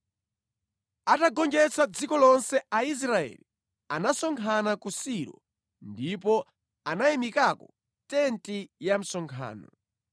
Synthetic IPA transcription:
ataɡɔnd͡ʒɛt͡sad͡zikɔlɔnsɛais̬ɾaɛ̰li | anasɔŋkʰanakusiɾɔ̰ | ndip̬ɔ | anajɛmikakɔ | tɛntijam̩sɔŋkʰa̰ːnɔ̰

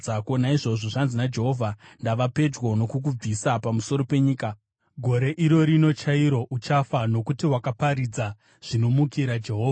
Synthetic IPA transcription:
ako̞naiʐo̞ʐo̞ʐanzinad͡ʒe̞ɦo̞vʱandaʋape̞d͡ʒwono̞kuk̬ub͡visapamuso̞ɾo̞pe̞ɲiːka | ɡʱo̞ɾe̞ʔiɾo̞ɾino̞t͡ʃaiɾo̞ʔut͡ʃafano̞kutiwakapaɾid͡za | ʐ̥ino̞mukiɾad͡ʒe̞ɦoːa

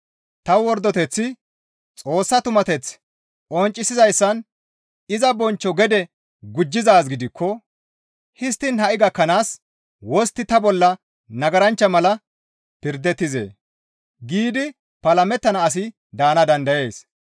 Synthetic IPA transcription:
t̪ɐwwɔɾd̪ːɔt̪ɛt͡sːɪ | t͡sʼo̞ːsːɐt̪ʊmɐt̪ɛt͡s | ʔɔnt͡ʃʼːɪsɪzɐjsːɐn | ɪzɐbɔnt͡ʃːɔɡɛd̪ɛ | ɡʊd͡ʒːɪzaːsɡɪd̪ɪkʰːɔ | hɪs̬t̪ːɪnhɐʔɪɡɐkːɐnaːs | wɔst̪ːɪt̪ɐbɔlːɐ | nɐɡɐɾɐnt͡ʃːɐmɐlɐ | pɪɾd̪ɛt̪ːɪze̞̰ː | ɡiːd̪ɪ | pɐlɐmɛt̪ːɐnɐːs̬ɪ | d̪aːnɐd̪ɐnd̪ɐje̞ːs

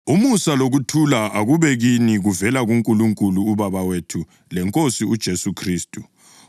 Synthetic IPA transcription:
umusaloɣutʰulaʔaɣuβɛɣiniɣuvɛlaɣuŋkʼuluŋkʼuluːβaβawetʰu | lɛŋkʼosiud̥ʒ̥ʱesukʰriːstʼu

